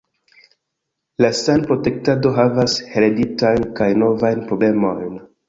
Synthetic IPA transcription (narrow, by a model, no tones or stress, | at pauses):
lasanpɾo̞te̞k̚tado̞ɦavasheɾeditajnkajno̞vajnpɾo̞ble̞mo̞jn